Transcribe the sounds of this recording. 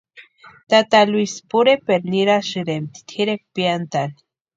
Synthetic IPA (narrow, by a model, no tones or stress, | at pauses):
t̪at̪alwispuɾepeɾniɾaʃiɾemt̪i̥t̪ʰiɾek̚pijant̪ani̥